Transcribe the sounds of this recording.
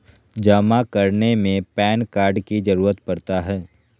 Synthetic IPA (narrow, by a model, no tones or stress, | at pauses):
d͡ʒaːmakəɾnemẽpɛːnkaːɾɖkid͡ʒɐɾuːɾət̪pɐɾt̪aɦɛː